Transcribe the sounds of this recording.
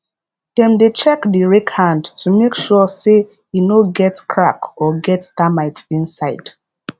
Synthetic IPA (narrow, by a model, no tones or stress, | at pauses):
d̥ɛ̃mdet͡ʃɛkdiɹɛkhãndtʰumekʃɔse | inoɡɛtkʰɹakɔɡɛttamaɪtsĩnsaɪd̥